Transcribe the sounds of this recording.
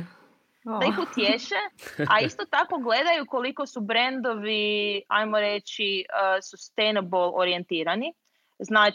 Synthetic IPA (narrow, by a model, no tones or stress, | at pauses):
likut̪jeʃeaist̪ot̪ako̞ɡle̞d̪ajuko̞likosubɾend̪o̞ʋia̰jmoɾet͡ʃiəsust̪ejnabolˠoɾie̞nt̪iːɾani | znaː